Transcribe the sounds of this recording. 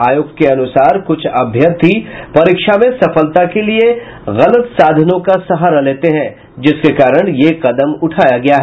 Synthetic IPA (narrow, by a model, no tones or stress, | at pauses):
aːjoːkkeɐnʊsaːɾkʊt͡ʃʰɐbʱjət̪ʰːipɐɾiːkʃamẽsɐfəlt̪akelie | ɣɐlət̪saːd̪ʱənõkasɐɦaɾaleːt̪eɦɛ̃ː | d͡ʒɪskekaːɾəɽ̃jeqɐd̪əmʊʈʰaːjaɡɐjaɦɛ